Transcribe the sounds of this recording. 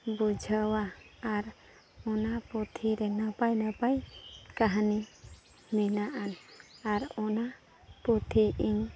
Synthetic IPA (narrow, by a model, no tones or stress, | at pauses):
bud͡ʒʱəwaːɾ | ɔnapɔt̪ʰiɾɛnapajnapajkaɦni | mɛnaʔanaɾɔna | pɔt̪ʰiʔiŋ